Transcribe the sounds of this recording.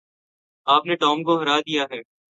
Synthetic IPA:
aːpneʈɔːmkoɦɐɾaːd̪ijaɦɛː

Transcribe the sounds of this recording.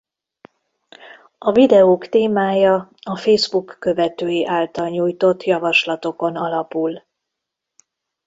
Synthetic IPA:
ɒvid̪ɛoːkt̪eːmaːjɒɒfeːzbukːø̞vɛt̪øːjeʔaːlt̪ɒlɲuːjt̪o̞t̪ːjɒvɒʃlɒt̪o̞ko̞nɒlɒpul

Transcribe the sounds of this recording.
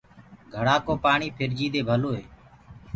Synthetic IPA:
ɡʱəɽaːkoːpaːɳiːpʰɪɾd͡ʒiːd̪eːbʱəloːɦḛː

